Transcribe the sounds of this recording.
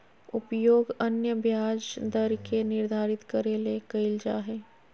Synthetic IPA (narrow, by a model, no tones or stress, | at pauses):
ʊpjoːɡənjəbjaːd͡ʒd̪əɾkenɪɾd̪ʱaːɾɪt̪kəɾelekəɪld͡ʒaːɦɛː